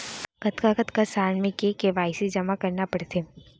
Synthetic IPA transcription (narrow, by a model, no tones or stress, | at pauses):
kət̪kakət̪kasaːɾɳmẽkekeʋaːɪsed͡ʒɐmakɐɾnapɐɽt̪eː